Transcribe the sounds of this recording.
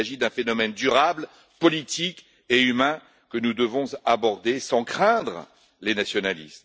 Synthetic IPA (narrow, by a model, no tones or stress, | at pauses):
aʒid̪ɛ̃fenɔmɛnd̪yʁabl | pɔlit̪ik | eymɛ̃ | kənud̪əvɔ̃zabɔʁd̪esɑ̃kχɛ̃d̪ʁ | lenasjɔnalḭst̪